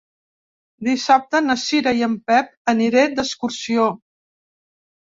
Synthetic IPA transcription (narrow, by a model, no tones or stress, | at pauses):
d̪isap̚t̪ənəsiɾəjəmpɛp̚əniɾed̪əskuɾsio